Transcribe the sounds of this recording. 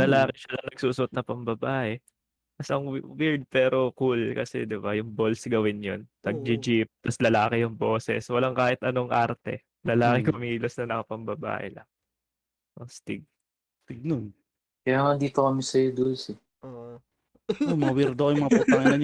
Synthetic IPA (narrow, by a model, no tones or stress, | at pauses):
lɐlaːkɛʃɐnɐnɐɡ̚suːsʊʔot̪̚nɐpɐmbɐbaːʔɛ | mɐsɐŋwwɪɹd̪̚pɛːɾo̞kulkɐ̰sɛ̰d̪ɪbajʊŋbo̞lsɡɐwɪnjont̪ɐɡ̚d͡ʒɪd͡ʒip̚t̪ɐslɐlaːkɛjʊŋbo̞ːsɛ̰swɐlaŋkaːhɪt̪ʔɐnoŋʔaɾt̪ɛ̰ | lɐlaːkɛkʊmiːlosnɐnɐkɐpɐmbɐba̰ːʔɛ̰lɐ̰ŋ | ʔost̪ɪɡ̚ | t̪ɪɡ̚non | kɐjaːŋad̪iːt̪okɐmɪsɐjod̪olsɛ | ʔo | omɐwiɾd̪okojʊŋmɐŋɐpupaŋnɐɲ